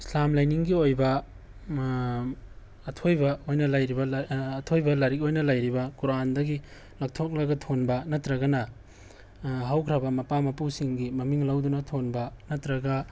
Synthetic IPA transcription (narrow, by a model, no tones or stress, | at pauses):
slamlajniŋɡiojbɐ | tʰojbɐojnɐlajɾibɐːtʰojbɐlaɾik̬̚ojnɐlajɾibɐkuɾandɐɡi | lɐk̚tʰok̚lɐɡɐtʰonbɐnɐtɾɐɡɐnɐ | ɦawkʰɾabɐmɐpamɐpusiŋɡimɐmiŋlawdunɐtʰonbɐnɐtɾɐɡɐ